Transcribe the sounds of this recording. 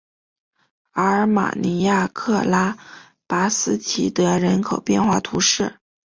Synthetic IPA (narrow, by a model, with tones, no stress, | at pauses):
ə˧˥˧ma̰˨˩ni˧˥ja˥˧kʰɤ˥˧la˥ | pa˧˥sɹ̩˥t͡ɕʰi˧˥˩t̪ə˧˥ɻə˧˥nkʰo˨˩ʊpjɛ˥˧nxwa˥˩t̪ʰu˧˥ʂɻ̩˥˩